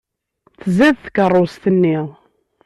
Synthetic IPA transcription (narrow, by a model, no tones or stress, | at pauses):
θzæðθəkərˤːost̪ənːiʁ